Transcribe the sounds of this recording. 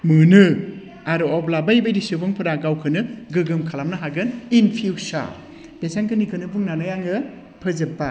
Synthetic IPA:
mɯnɯ | aɾɔɔblabajbajɾisɯbɯŋpʰɯɾaɡawkʰɯnɯɡɯɡɯmkʰalamnɯɦaɡɯninpʰiwsa̰ | b̥esaŋkʰɯnikʰɯnɯbuŋnanajaŋɯ | pʰɯzɯpːa

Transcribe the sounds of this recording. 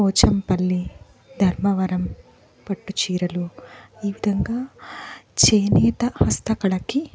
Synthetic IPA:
ɔːt͡ʃɐmpɐlːi | d̪ʱɐɾmɐʋɐɾɐm | pɐʈːut͡ʃiːɾɐluiːʋid̪ʱɐŋɡaː | t͡ʃeːnɛːt̪ɐhɐst̪ʰɐkɐɭɐki

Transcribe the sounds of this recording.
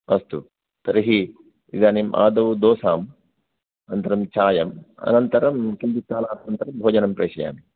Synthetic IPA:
ɐst̪u | t̪ɐɾiɦi | id̪aːnimʔa̰ːd̪ɐʋud̪oːsaːm | ɐnɐnt̪ɐɾɐmt͡ʃaːjɐmɐ̰nɐnt̪ɐɾɐmkind͡ʒ̪ikaːlaːt̪ɐnɐnt̪ɐɾɐmbʱoːd͡ʒɐnɐmpɾɐːʃɐja̰ːmi

